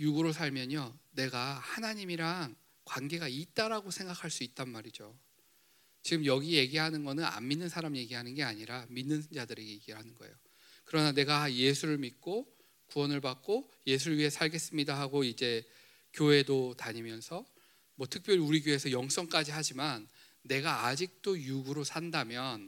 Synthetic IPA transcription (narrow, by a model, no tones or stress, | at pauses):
juɡɯɾosʰaɭmjʌɲʌne̞ɡahanaɲimiɾaŋ | kwanɡe̞ɡait̚t͈aɾaɡosʰeŋɡakʰaɭs͈uit̚t͈anmaɾid͡ʑo | t͡ɕiɡɯmjʌɡije̞ɡiɦanɯnɡʌnɯna̰mmːinːɯnsʰaɾamje̞ɡiɦanɯnɡe̞aɲiɾaminːɯnnd͡ʑadɯɾejeɡiɾɯɭɦanɯnɡʌejo | kɯɾʌnane̞ɡaje̞sʰuɾɯɭmik͈o | kuwʌnɯɭbak̚k͈o | je̞s̬ʰuɾɯɭɥiɦe̞sʰaɭɡe̞s͈ɯmɲidaɦaɡoid͡ʑe̞ | kjoɦe̞dotaɲimjʌnsʰʌ | mwʌtʰɯk̚p͈jʌɾiuɾiɡjoɦe̞sʰʌjʌŋs͈ʌŋk͈ad͡ʑiɦad͡ʑimanː | e̞ɡaːd͡ʑik̚t͈ojuɡɯɾosʰandamjʌn